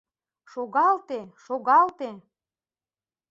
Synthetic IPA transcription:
ʃoɣɑlt̪eʃoɣɑlt̪e

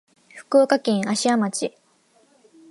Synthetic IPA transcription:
ɸɯ̥koːkakʲẽɰ̃aɕiamat͡ɕi

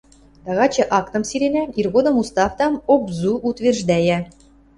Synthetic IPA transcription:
t̪ɑɣɑt͡ɕɤ̆ʔɑkt̪ɤ̆msiɾʲenæirɣod̪ɤ̆must̪ɑft̪ɑmobzuʔut̪ʋʲerʒd̪æjæ

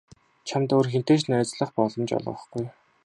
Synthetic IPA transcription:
t͡ɕʰamt̪oːrxen̥t̪eːt͡ɕnæːt͡sɮə̆χpɔɮɞ̆mt͡ɕɔ̰ɮʁɞ̰̆χɡuj

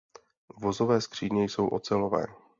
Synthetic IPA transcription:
vo̞zo̞vɛːskr̝̥iːɲɛjso̞wʔot͡sɛlo̞vɛ̰ː

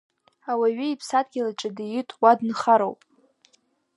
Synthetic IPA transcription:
awaɥɪipʰsad̚ʼɡʲɪlaʈ͡ʂʼɪdijɪtʼwadnχaɾo̰wpʼ

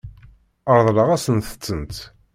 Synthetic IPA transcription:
əɾˤðˤləʁæsənθə̥t͡sːənt̪

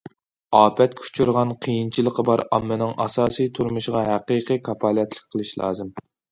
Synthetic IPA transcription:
ɑːpʰɛt̪̚kʲʰy̥t͡ʃʰyɾʁɑnqʰijint͡ʃʰilˠəqʰəbɑɾɑ̰mːɨnɨŋʔɑ̰sɑːsijt̪ʰuɾmuʃʁɑɦæqiqɨkʰɑpʰɑlˠɛt̪lˠɪk̚ʲqʰəlˠɨʃlˠɑ̰ːzɨm

